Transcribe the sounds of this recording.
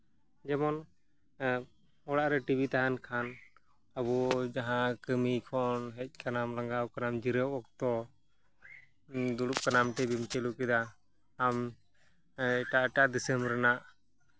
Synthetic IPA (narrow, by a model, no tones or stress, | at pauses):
d͡ʒɛmɔn | ɔɽaʔɾɛʈibit̪aɦankʰan | abɔd͡ʒaɦãkəmikʰɔnɦɛc̚ˀkanamlaŋɡawkanamd͡ʒiɾəwɔk̚t̪ɔ | d̪uɽup̚kanamʈɛbimt͡ʃɛlukɛd̪aː | m | ɛʈaʔʈaʔd̪isəmɾɛnaʔ